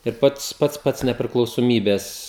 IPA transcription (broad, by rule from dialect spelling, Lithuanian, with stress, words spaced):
ɪr ˈpɐts ˈpɐts pɐts nʲɛpʲrʲɪklˠɐʊsoːˈmʲiːbʲɛs